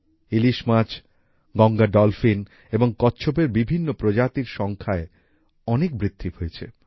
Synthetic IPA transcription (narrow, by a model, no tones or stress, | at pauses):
iliʃmat͡ɕʰ | ɡɔŋɡaɖɔlfin | eboŋkɔtːɕʰop̬eɾbibʱinːopɾod͡ʑat̪iɾʃɔŋkʰae | ɔnek̚bɾit̪ʰːihojet͡ɕʰḛ